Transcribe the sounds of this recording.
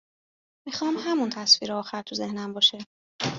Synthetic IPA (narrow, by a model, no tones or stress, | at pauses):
mixɒːmhæmunt̪ʰæsfiːɾeɒːxæɾt̪ʰuzehnæmbɒːʃe